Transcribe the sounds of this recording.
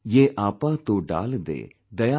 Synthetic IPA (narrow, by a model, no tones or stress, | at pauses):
jeːʔaːpaːt̪oːɖa̰ːld̪ḛː | d̪ɐja